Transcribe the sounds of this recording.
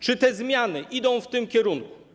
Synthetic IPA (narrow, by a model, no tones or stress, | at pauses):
t͡ʂɘt̪ɛzmʲjanɘʔid̪ɔ̃w̃ft̪ɘmkʲɛɾunku̥